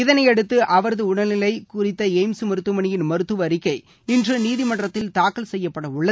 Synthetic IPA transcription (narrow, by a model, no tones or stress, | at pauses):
ɪðɐnɐɪɛɽɯt̪ːɯʔɐʋɐɾɐðɯʊɳɐlɪlɐɪkʊrɪt̪ːɐeɪmsmɐɾɯt̪ːɯmɐɳɪjɪnmɐɾɯt̪ːɯʋɐɾɪkːɐɪ | ɪndrɯniːðɪmɐɳɖrɐt̪ːɪlt̪aːkːɐlsɛjːɐpːɐɽɐʊɭːɐ